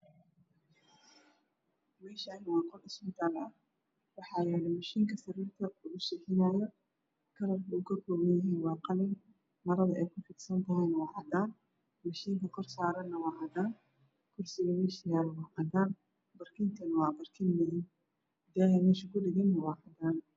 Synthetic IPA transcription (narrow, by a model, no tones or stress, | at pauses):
mɛːʃɐɪnwɑːqɔrɪsbɪt̪ʰaːlɐ | wɑħɑːjɛːlɛmɐʃiːŋkʰɐsɐɾiːrt̪ʰɐʊɣʊsɛħɪnaːjɔ | kʰɐɾɐrkʰɐʊkʰɐkʰɔːwɛjɦiːnwɑːqɑlɪn | mɐɾɐðɐʔɛjkʰʊfɪd̪sɐnt̪ʰɐɦɛjnɐwɑːʕɑd̪aːn | mɐʃiːŋkʰɐkʰɔrsaːɾɐnːɐwɑːʕɑd̪aːn | kʰʊrsɪɣɐmɛʃɪjaːɾɐwɑːʔɑd̪aːn | bɐrkʰɪnt̪ʰɐnɐwɑːbɐrkʰɪnmɪðɪn | d̪aːjɐmɛːʃɐkʰʊɖɪɣɛnːɐwɑːʕɑd̪aːn